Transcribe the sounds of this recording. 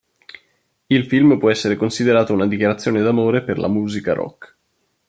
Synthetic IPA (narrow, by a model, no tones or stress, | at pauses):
ilfilmpwɔɛsːeɾekonsid̪eɾaːt̪ounad̪ikjaɾat̪sːjoːned̪amoːɾeperlʔa̰muːzikaɾɔ̰kː